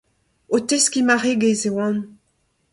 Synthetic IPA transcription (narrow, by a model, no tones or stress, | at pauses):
oteskimaʁeɡezewɑ̃n